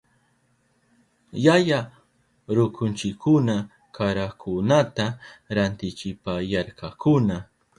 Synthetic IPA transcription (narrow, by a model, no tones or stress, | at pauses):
jaja | ɾʊkʊnt͡ʃɪkʰːʊna | kʰaɾakʰʊnat̪aɾant̪ɪt͡ʃɪpajaɾkakʊna